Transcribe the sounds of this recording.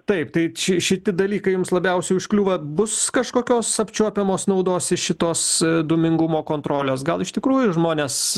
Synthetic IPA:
t̪ɐɪpt̪ɐɪʃʲɪʃʲɪt̪ʲɪd̪ɐlʲiːkɐɪjʊmslˠɐbʲɛʊsʲɛʊɪʃklʲuːʋɐbʊskɐʃkoːkʲoːsɐpʲt͡ʃʲuɔpʲɛmoːsnɐʊd̪oːsɪʃʲɪt̪oːsd̪uːmʲɪŋɡʊmoːkoːnt̪ɾoːlʲoːs̬ɡɐlˠɪʃt̪ʲɪkɾuːjʊʒmoːnʲeːs

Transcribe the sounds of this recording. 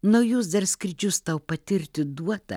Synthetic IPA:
nɐʊjʊs̬d̪ɐɾsʲkɾʲɪd͡ʒʲʊst̪ɐʊpɐt̪ʲɪɾʲt̪ʲɪd̪uɔt̪ɐ̰

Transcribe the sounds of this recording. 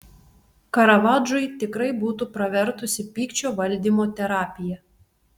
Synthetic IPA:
kɐɾɐʋɑːd͡ʒʊjt̪ʲɪkɾɐɪbuːt̪uːpɾɐʋʲɛɾt̪ʊsʲɪpʲiːkt͡ʃʲoːʋɐlʲd̪ʲiːˑmoːt̪ʲɛɾɑːpʲɪjɛ

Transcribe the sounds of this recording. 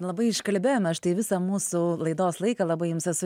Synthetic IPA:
lˠɐbɐɪɪʃkɐlʲbʲeːjoːmʲɛɐʃt̪ɐɪʋʲɪsɐmuːsʊlˠɐɪd̪oːslˠɐɪkɐlˠɐbɐɪjʊmsɛsʊ

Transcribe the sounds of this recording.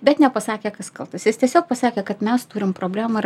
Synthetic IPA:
bʲɛt̪nʲɛpɐsɑːkʲeːkɐskɐlˠt̪ɐsjɪst̪ʲiɛsʲoːk̚pɐsɑːkʲeːkɐt̪mʲɛst̪uːɾʲɪmpɾoːbʲlʲæːmɐ

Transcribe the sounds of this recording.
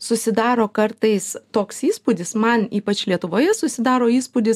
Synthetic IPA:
sʊsʲɪd̪ɑːɾoːkɐrt̪ɐɪst̪oːksiːspʊd̪ʲɪsmɐniːpɐt͡ʃlʲiɛt̪ʊʋoːjɛsʊsʲɪd̪ɑːɾoːiːspʊd̪ʲɪs

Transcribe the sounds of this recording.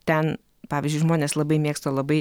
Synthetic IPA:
t̪ʲɛn | pɑːʋʲɪzʲd͡ʒʲʊɪʒmoːnʲeːslˠɐbɐɪmʲeːkst̪oːlˠɐbɐɪ

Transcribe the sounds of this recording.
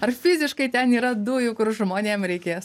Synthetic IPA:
ɐrfʲɪzʲɪʃkɐɪt̪ʲɛniːɾɐd̪uːjʊkʊrʒmoːnʲeːmɾʲɛɪkʲeːs

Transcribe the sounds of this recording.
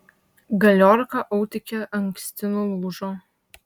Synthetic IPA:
ɡɐlʲoːɾkɐʔɐʊt̪ʲɪkʲɛɐŋʲksʲt̪ʲɪnoːlˠuːʒoː

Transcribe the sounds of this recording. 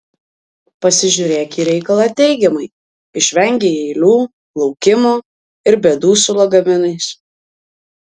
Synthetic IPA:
pɐsʲɪʒʲʊɾʲeːkʲiːɾʲɛɪkɐlˠɑt̪ʲɛɪɡʲɛmɐɪ | ɪʃʲʋʲɛŋʲɡʲeɛɪlʲuː | lˠɒʊkʲɪmoː | ɪɾbʲeːd̪uːsʊlˠoɡɐmʲɪnɐɪs

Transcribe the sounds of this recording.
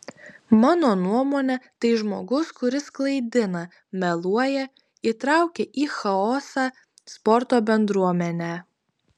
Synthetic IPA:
mɑːnoːnuɔmoːnʲɛt̪ɐɪʒmoːɡʊskʊɾʲɪsklˠɐɪd̪ʲɪnɐ | mʲɛlˠuɔjɛ | it̪ɾɑˑʊkʲeʔiːxɐɔːsɑː | spɔɾt̪oːbʲɛnd̪ɾuɔmʲɛnʲæː

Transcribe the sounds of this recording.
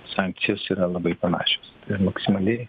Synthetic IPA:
sɑŋk̚t̪sʲɪjoːsiːɾɐlˠɐbɐɪpɐnɑ̰ːʃʲo̥sɪmɐksʲɪmɐlʲɪ

